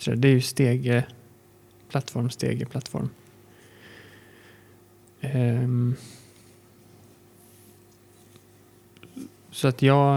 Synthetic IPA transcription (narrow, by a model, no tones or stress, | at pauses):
ɾə̰d̪ɛæɾjɵst̪eːɡə | pʰlat̪ːfɔɾmst̪ʰḛːɡəpʰlat̪ːfɔ̰ɾm | sɔat̪ʰjɑː